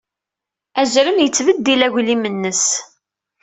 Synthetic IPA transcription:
æzɾəmjət͡sːvəd̪ːilæʝlimənːəs

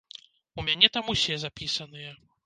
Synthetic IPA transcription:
umʲanʲɛt̪amusʲɛzapʲisɐnɨjɐ

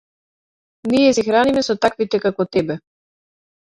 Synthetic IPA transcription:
niɛsɛxɾanimɛsɔt̪akvit̪ɛkakɔt̪ɛbɛ

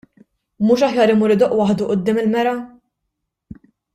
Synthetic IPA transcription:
muːʃɐħjɐːɾɪmuːɾɪd̪ɔʔwɐħd̪uʔʊd̪ːɪːmɪlmɛɾɐ

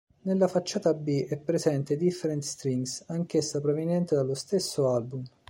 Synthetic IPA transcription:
nelːafat͡ʃːaːt̪abːiʔɛpːɾezɛnt̪ed̪ifːeɾɛnt̪st̪ɾiŋsaŋk̟esːapɾovinjɛnt̪ed̪alːost̪esːoalbum

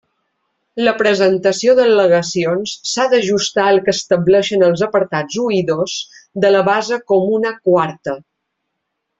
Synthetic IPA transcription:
ləpɾəzənt̪əsioðələɣəsionsːaðəʒust̪aəlˠkəst̪əblɛʃənəlˠzəpəɾt̪ad͡zuiðosd̪ələβazəkomunəkwaɾt̪ə

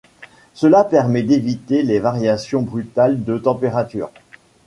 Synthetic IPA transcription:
səlapɛʁmɛd̪evit̪elevaʁjasjɔ̃bʁyt̪ald̪ət̪ɑ̃peʁat̪y̰ːʁ

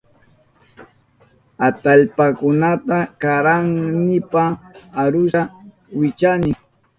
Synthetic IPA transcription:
at̪aʎpakʊnat̪akaɾaŋnɪpaːɾʊa | wɪt͡ʃanɪ

